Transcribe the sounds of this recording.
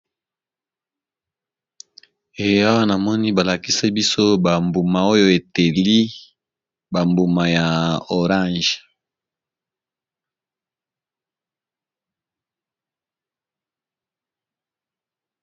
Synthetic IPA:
e˨ja˦wa˦na˨mɔ˦ni˦ba˨la˨ki˦se˦bi˦so˦ba˨mbu˨ma˨o˦jo˦e˨te˨li˦ | ba˨mbu˨ma˨ja˨o˨ʁã˦˨ʒ

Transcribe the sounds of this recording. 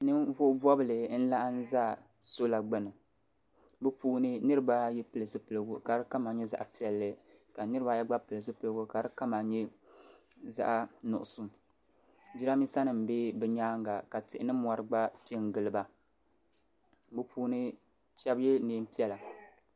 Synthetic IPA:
nɨ˦mvʊ˦bɔ˦bɨ˨lɨ˨n̩˦la˦ʔn̩˦za˦ | so˦la˨ɡ͡bɨ˦nɨ˨ | bɨ˦puː˦nɨ˦nɨ˦ɾɨ˦ba˦jɛ˦pɨ˦lɨ˨zɨ˦pɨ˨lɨ˨ɡu˨ka˨ɾɨ˦ka˦ma˨ɲɛ˦za̰˨ʔa˨pi˦ɛ˨lːɨ˨ | ka˨nɨ˦ɾɨ˦ba˨jɛ˦ɡ͡ba˦pɨ˨lɨ˨zɨ˦pɨ˨lɨ˦ɡʊ˨ka˨ɾɨ˦ka˦ma˨ɲɛ˦ | za̰˦ʔnʊ̰˨ʔʊ˨su˦ | d͡ʒi˦ɾa˦mi˦sa˦nɨ˨m̩˨be˦bɛ˨ɲaː˦ŋɡa˨ka˨tɪ˨ʔɪ˦nɨ˦mɔ˨ɾɨ˨ɡ͡ba˦pe˦ŋ˨ɡɨ˨lɨ˨ba˨ | bɨ˦pʰuː˦nɨ˦ | ʃɛ˦bjɛ˦neː˨˦m˦pi˦ɛ˦la˨

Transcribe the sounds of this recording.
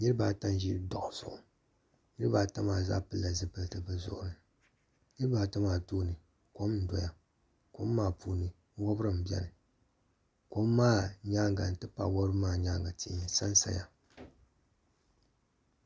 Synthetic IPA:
ɲi˦ɨ˦baː˦˨ta˦nʒi˦dɔ̰˨ʔʊ˨z̥ʊ̰˨ʔʊ˨ | ɲi˦ɾɨ˦baː˨ta˦maː˦˨za̰˦pɨ˦lːa˨zɨ˨pɨ˨ltɨ˨bɨ˨zʊ̰˨ʔʊ̰˨nɨ˨ | ɲi˦ɾɨ˦baː˨ta˦maː˨toː˦nɨ˨ | ko˦mn̩˨dɔ˨ja˨ | ko˨˦mː˦aː˦˨puː˨nɨ˨˦ | wɔ˦bɾɨ˦m̩˨bɛ̰˦nɨ˨ | ko˦mː˦aː˦ɲa˦ŋɡa˨n̩˨tɨ˦pa̰˨wɔ˦ɾɨ˦maː˦ɲaː˦ŋɡa˨ti˦˨ʔsa˦nsa̰˨ja˨

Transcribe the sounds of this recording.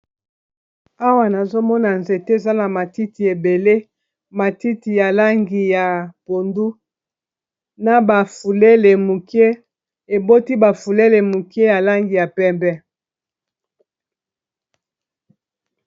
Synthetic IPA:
a˦wa˨na˨zo˦mɔ˦na˨nze˨te˦e˨za˦na˨ma˨ti˦ti˨e˨be˨le˦ | ma˨ti˦ti˨ja˨la˦ŋɡi˨ja˨po˨ndu˦ | na˨ba˨fu˨le˦le˨mu˨ke˦ | e˨bo˦ti˦ba˨fu˨le˦le˨mu˨ki˦e˦ja˨la˦ŋɡi˨ja˨pɛ˦mbɛ˦

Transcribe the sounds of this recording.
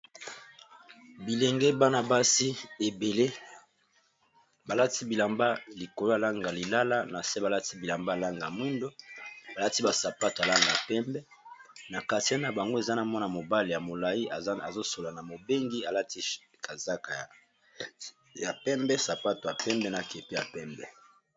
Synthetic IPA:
bi˨le˨ŋɡe˦ba˦na˨ba˦si˦e˨be˨le˦ | ba˨la˦ti˦bi˨la˨mba˦li˨ko˨lo˦a˨la˦ŋɡa˨li˨la˦la˦na˨se˦ba˨la˦ti˦bi˨la˨mba˦a˨la˦ŋɡa˨mwi˦ndo˦ba˨la˦ti˦ba˨sa˨pa˦to˨a˨la˦ŋɡa˨a˨pɛ˦mbɛ˦ | na˨ka˨ti˦a˦n˨a˨ba˨ŋɡo˦e˨za˦na˨mɔ˦n˨mo˨ba˦le˨ja˨mo˨la˨i˦a˨zo˦so˨la˨na˨mo˨be˦ŋɡi˦a˨la˦ti˦ | ka˨za˦ka˨a˨ | ja˨pɛ˦mbɛ˦sa˨pa˦to˨ja˨pɛ˦mbɛ˦na˨ke˨pi˦ja˨pɛ˦mbɛ˨

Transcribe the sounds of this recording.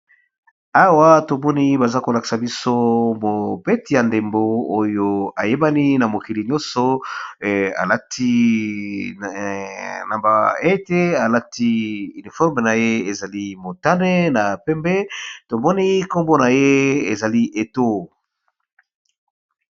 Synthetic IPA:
a˦wa˦to˨mɔ˦ni˦ba˨za˦ko˨la˨ki̥˨sa˨bi˦so˦mo˨pɛ˦ti˨ja˨nde˨mbo˦o˦jo˨a˨je˦ba˦ni˦na˨mo˨ki˨li˨ɲjɔ̃˦sɔ˦ | a̰˨la˦tʰi˦ | na˨mba˨e˦te˦a˨la˦ti˦y˨ni˨fɔ˦ʁm˨na˨je˦e˨za˨li˦mo˨ta˦nɛ˦na˨pɛ˦mbɛ˦to˨mɔ˦ni˦ko˦mbo˦na˨je˦e˨za˨li˦ʔe˨to˦

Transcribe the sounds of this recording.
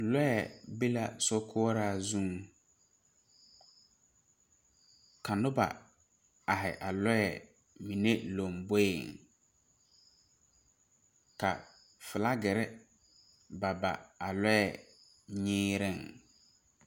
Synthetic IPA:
lɔ˦ɛ˨be˦la̰˦sɔ˦kʰʊ˦ɔ˦ɾaː˦˨zũ˦ŋ | ka˨nʊ˦ba̰˨ | a˨ɦɪ̰˨ʔa˨lɔ˦ɛ˨ | mĩ˨ne˦lo˨mbe˦ɪ˨ŋ | ka̰˨ | fɪ˨la˦ɡɪ˨ɾɪ˦ | ba˨ba̰˨a˨lɔ˦ɛ˨ | ɲɪː˦ɾɪ˦˨ŋ

